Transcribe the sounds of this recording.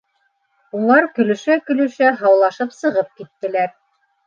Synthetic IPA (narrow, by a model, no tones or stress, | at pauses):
ulˠɑɾkɵ̆lɵ̆ʃækɵ̆lɵ̆ʃæɦɑwlˠɑʃɤpsɤ̆ʁɤp̚kit̪ːɘ̆læɾ